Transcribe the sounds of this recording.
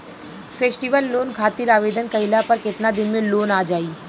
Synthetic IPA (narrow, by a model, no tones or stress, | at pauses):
fʰeːsʈiʋəlːoːnkʰaːt̪iɾaːʋeːd̪ənkɐɪlapɐɾkɪt̪nad̪ɪnmẽloːnaːd͡ʒaːiː